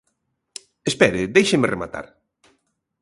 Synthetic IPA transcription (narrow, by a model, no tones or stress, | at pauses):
espɛɾɪd̪ejʃemɪrema̰t̪a̰ɾ